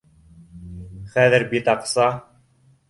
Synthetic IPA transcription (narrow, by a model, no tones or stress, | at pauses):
χæðɘ̆ɾbit̪ɑqsɑ